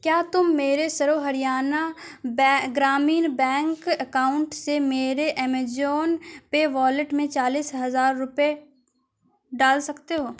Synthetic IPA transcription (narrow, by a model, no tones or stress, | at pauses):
kjaːt̪ʊmːeːɾesɐɾoɦɐɾɪjaːnabɡɾaːmiːnbɛ̃ːŋkɐkaːʊ̃ɳʈsemeːɾeʔɛmed͡ʒoːnpeʋaːlɪʈmẽt͡ʃaːliːsɦɐzaːɾːʊpe | ɖaːlsɐkt̪eɦoː